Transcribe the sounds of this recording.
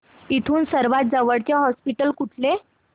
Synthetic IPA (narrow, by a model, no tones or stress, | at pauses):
it̪ʰuːnsəɾʋat̪̚d͡zəʋəɽt͡ɕjaɦɔspiʈəlkuʈʰle